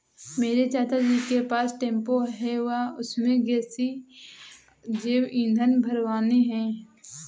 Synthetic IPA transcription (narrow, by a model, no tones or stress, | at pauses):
meːɾet͡ʃaːt̪ad͡ʒiːkepaːsʈẽːmpoɦɛʋaʊsmẽɡɛːsi | d͡ʒeːwĩːnd̪ʱənbʱəɾʋaːneɦɛ̃ː